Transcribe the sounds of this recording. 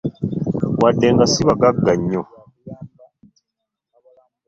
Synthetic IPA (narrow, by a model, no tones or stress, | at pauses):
wadːeŋɡasiβaɡaɡːaɲːo